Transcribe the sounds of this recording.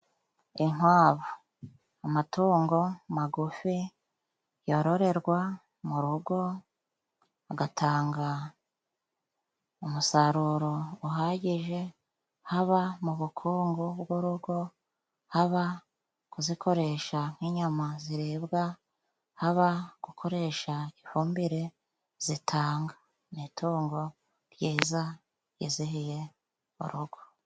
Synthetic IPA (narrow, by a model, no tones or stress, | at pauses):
iŋwaːβu | amatuːŋɡo̞maɡufi | jo̞ɾo̞ɾe̞ɾɡwa | muɾuɡo̞ | aɡatʰaːŋɡa | umusaɾuɾo̞ːɦaɟiʒe̞ | haβamuβukʰuːŋɡobɡuɾuɡo̞ | haβa | kuzikʰo̞ɾe̞ʃaŋ̥hiːɲamaziɾebɡa | haβaɡ̥ukʰo̞ɾe̞ʃaifuːmbiɾe̞ | z̥itʰaːŋɡḁ | nitʰuːŋɡo̞ | ɾjiːza | jiziɦije̞ | ṵɾuɡ̥o̥